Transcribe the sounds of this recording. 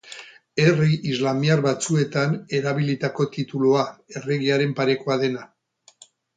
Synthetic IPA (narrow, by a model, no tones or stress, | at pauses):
e̞riʔizlamiarβat͡sue̞t̪ane̞ɾaβ̞ilit̪ako̞t̪it̪uluae̞re̞ɣiaɾe̞mpaɾe̞koaðe̞na